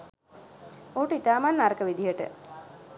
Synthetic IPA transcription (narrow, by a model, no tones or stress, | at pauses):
oːʈəit̪aːmanːaɾəkəʋid̪iɦəʈə̰